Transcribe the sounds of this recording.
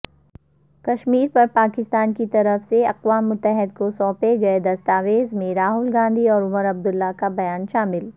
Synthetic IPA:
kɐʃmiːɾpɐɾpaːkɪst̪aːnkit̪ɐɾəfseɐqʋaːmːʊt̪ːəɦɪd̪̚kosɔ̃ːpeɡɐed̪ɐst̪aːʋeːzmẽɾaːɦʊlɡãːnd̪ʱiɔːɾʊməɾɐb̚d̪ʊlːakabɐjaːnʃaːmɪl

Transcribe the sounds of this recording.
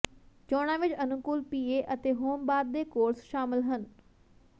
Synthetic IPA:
t͡ʃɔːɽ̃ãːʋɪt͡ʃənʊkʊlpiːeːʔət̪eːɦoːmbaːd̪̚d̪eːkoːɾsʃaːmɪlɦən

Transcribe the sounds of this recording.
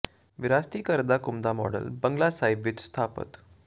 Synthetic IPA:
ʋiɾast̪iːkəɾd̪akumd̪amɔ̰ɽə̰lbəŋɡlasajbiːt̪st̪ʰapə̰t̪

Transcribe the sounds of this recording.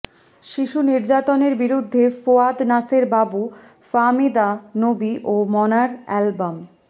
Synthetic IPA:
ʃiʃuniɾd͡ʑat̪oneɾbiɾud̪ʱːefoad̪naseɾbabu | famid̪anobiʔomɔnaɾɛlbam

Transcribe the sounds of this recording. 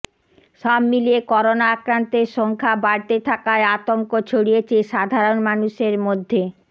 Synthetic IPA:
ʃɔbmiliekɔɾonaakɾant̪eɾʃɔŋkʰabaɾt̪et̪ʰakaeat̪oŋkot͡ɕʰoɽiet͡ɕʰeʃad̪ʱaɾonmanuʃeɾmod̪ʱːe

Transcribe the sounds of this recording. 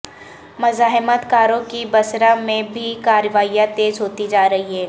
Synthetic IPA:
mɐzaːɦɪmət̪kaːɾõkibɐsɾamẽbʱikaːɾʋaːijat̪eːzɦoːt̪id͡ʒaːɾɐɦiɦɛː

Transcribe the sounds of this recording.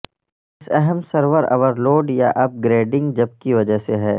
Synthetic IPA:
ɪsɛɦəmsɐɾʋəɾɐ̰ʋəɾloːɖjaʔɐp̚ɡɾeːɖɪ̃ŋɡd͡ʒɐb̚kiʋɐd͡ʒəɦseɦɛː

